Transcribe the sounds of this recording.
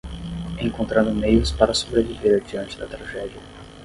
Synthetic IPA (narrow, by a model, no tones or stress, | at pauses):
ẽŋkõnt̪ɾɐ̃nd̪ʊmejʊspaɾɐsobɾeviveɾɐd͡ʒiɐ̃nt͡ʃɪd̪ɐt̪ɾaʒɛd͡ʒiɐ